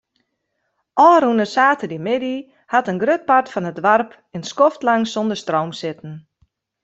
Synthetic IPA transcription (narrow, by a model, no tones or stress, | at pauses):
ʔɔːɾunəsaːtədimɪdi | hatənɡrøt̚partfɔnətdʋarp | ɪnskoftlaŋsondərstrowmsɪtn̩